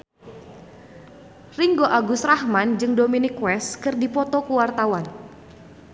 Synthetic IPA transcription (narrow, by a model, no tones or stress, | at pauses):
riŋɡoʔaɡusrahmand͡ʒɨŋdominikwɛskɨrdipɔt̪ɔkuwart̪awan